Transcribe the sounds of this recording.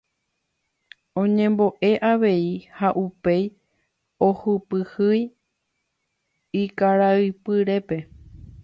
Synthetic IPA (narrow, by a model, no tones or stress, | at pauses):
õ̞ɲẽ̞mbo̞ʔe̞ʔaʋe̞ihaʔupe̞j | ohɨpɨhɨj | ikaɾaɨpɨɾe̞pe̞